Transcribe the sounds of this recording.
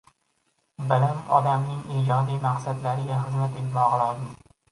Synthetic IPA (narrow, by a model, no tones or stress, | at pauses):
balanɒ̰d̪amnɪŋid͡ʒɒd̪ijmaqsad̪laɾɪɡʲaχɨzmat̪et̪mɒʁɨlˠɒzɪm